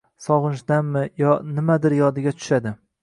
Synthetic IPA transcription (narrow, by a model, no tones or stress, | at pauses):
sɒʁɨnʃd̪amːɪjɒnɪmad̪ɪɾjɒd̪ɪɡʲat̪ʰʊ̥ʃad̪ɪ